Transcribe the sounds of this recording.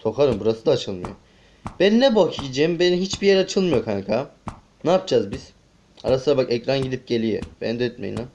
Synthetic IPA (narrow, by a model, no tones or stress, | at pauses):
so̞kʰaɾɯmbuɾasɯd̪aːt͡ʃʰɯlˠmɯ̰jo | bænnːɛbocʰid͡ʒembeniɦit͡ʃbijeɾat͡ʃʰɯlˠmɯjo̞kʰankʰaː | naːp̚d͡ʒaːzbiz̥ | a̰ɾasɯnabakɛcɾanɟid̪ip̚ɟe̞lʲijḛb̥ɛ̰nd̪ɛøt̪mḛina